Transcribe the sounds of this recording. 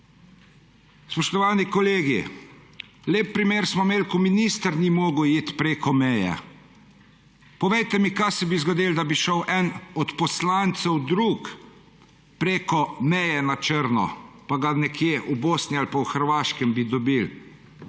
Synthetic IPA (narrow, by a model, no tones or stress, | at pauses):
spɔʃt̪ɔʋaːnikɔleːɡḭ | leːp̚ːɾimeːɾsmɔmeːlkɔminist̪əɾnimoːɡəwit̪pɾeːkɔmɛjɛ̰ | pɔʋɛjt̪ɛmikajsɛbizɡɔd̪ild̪abiʃɔwʔɛnɔt̪pɔslaːnt̪sɛwd̪ɾuk | pɾeːkɔmɛjɛnat͡ʃəɾnɔ̰paɡanɛkʰjeʔuboːsnialpawxəɾʋaːʃkɛmbid̪ɔbil